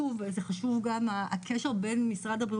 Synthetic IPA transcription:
uvzeχaʃuvɡamaakʰeʃeʁbe̞nmisʁad̪abʁi

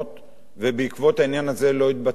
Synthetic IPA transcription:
t̪ | vebeikvo̞t̪hainjanaze̞lo̞it̪̚ba

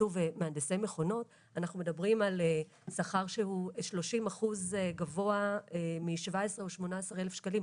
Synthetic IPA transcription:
uvemeand̪esejme̞χo̞no̞t | anaχnumedabʁimale | saχaʁʃehuʃlo̞ʃimaχuzɡavo̞aemiʃvaesʁeoʃmo̞naasaʁelefʃkalim

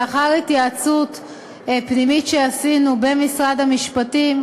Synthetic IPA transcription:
aχaʁitjaat͡sut | pnimitʃeasinube̞misʁad̪hamiʃpatim

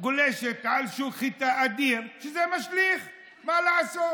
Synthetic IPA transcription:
ɡoleʃet̪ʕalʃuχit̪aad̪iʁʃezemaʃliχ | malaʕasot

